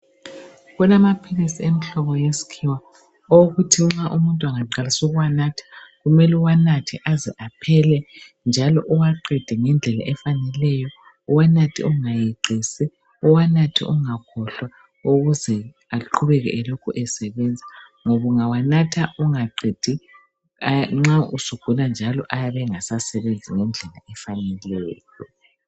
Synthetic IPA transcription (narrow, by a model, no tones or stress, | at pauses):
ɣunamapʰilisiemiɬɔβɔjesi̥kʰiwa | oɣutʰiŋ͡ǁaʔumuntʼwaŋaǀalisuɣuwanatʰi̥ɣumɛluwanatʰiʔaziʔapʰɛlɛ | nd͡ʒʱalɔʔuwaǃɛd̥ʱɛŋɛnd͡ɮʱɛla̰ʔɛfanɛlɛjɔ | uwanatʰḭuŋajiǀʱiːsɛ | uwanatʰḭʔṵŋakʰɔɬwa | uɣuzɛ | aǃʰuβɛɣɛʔɛlokʰuʔɛsɛβɛnd͡zʱa | ŋoβuŋawanatʰaʔuŋaǃid̥ʱi | ŋ͡ǁausukʰuland͡ʒʱalɔ̰ʔajaβɛŋasasɛβend͡zʱiŋɛnd͡ɮʱɛla̰ʔɛfanɛlɛːjɔ